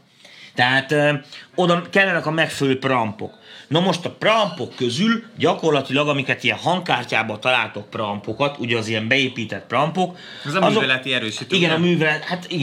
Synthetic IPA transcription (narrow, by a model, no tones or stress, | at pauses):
t̪ɛɦaːt̪øːo̞d̪ɒkɛlːɛnɛkɒmɛkfɛløːprɒmpo̞̰knɒmo̞ʃt̪ɒprɒmpo̞kːø̞zylɟɒko̞rlɒt̪ilɒɡɒmikɛt̪iɛnɦɒŋkaːrcaːbɒt̪ɒlaːlt̪o̞k̚prɒmpo̞kɒt̪uɟɛːziɛmbɛeːpiːt̪ɛt̪̚prɒmpo̞k | ɛzɒmɒzovɛlɛt̪iɛɾøːʃit̪iɡɛnɒmyːvɛlɛt̪hat̪iɡ